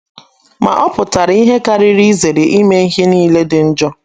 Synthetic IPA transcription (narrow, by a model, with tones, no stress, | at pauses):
ma̰˨ʔɔ˦pʊ˨ta˨ɾi˦ɦe˦ka˦ɾɪ˦ɾi˦ze˨ɾe˨ʔi˦me˦ɦi˦niː˦le˦dɪ˨n̩˦d͡ʒɔ˦